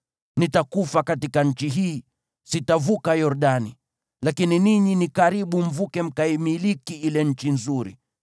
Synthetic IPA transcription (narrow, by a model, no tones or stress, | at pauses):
nitakufakatikaɲ̩t͡ʃiɦiː | sitavukajɔɾɗani | lakininiɲinikaɾiɓum̩vukɛm̩kaimilikiilɛɲ̩t͡ʃinzuɾḭ